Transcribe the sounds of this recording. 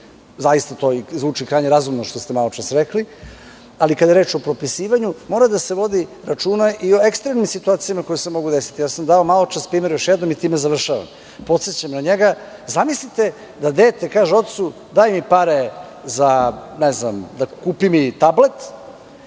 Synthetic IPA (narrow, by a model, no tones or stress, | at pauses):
zajist̪at̪o̞ːizʋuːt͡ʂikɾaːjɲeɾazumnoʃt̪ost̪emalo̞t͡ʃasɾekli | alikad̪aeɾet͡ʃo̞pɾo̞pisiːʋaɲumo̞ːɾad̪ase̞ʋo̞d̪iɾat͡ʂuːnaʔio̞ekst̪ɾemnimsit̪uaːt̪sijamakojusemo̞ɡud̪esi̥t̪ijaːsamd̪ao̞malo̞t͡ʃaspɾiːmeɾjoʃjɛd̪no̞mit̪iːmezaʋr̩ʃaʋa̰m | po̞t̪se̞t͡ɕamnaɲeɡazamislit̪e̞ | d̪ad̪eːt̪ekaːʒeo̞t̪̚t̪su | d̪aːjmipaɾe | zaneznamd̪akuːpimit̪able̞t̪